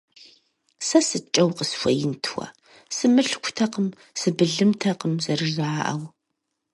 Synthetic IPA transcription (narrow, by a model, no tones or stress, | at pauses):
sɐsɨt͡ʃʼɐwqəsfʷɐjɪntʰwʷɐ̰ | sɨmɨɬkʷʊtʰɐqəm | sɨbɨɮɨmtʰɐqəmzɐrɨʒaːʔɐ̰w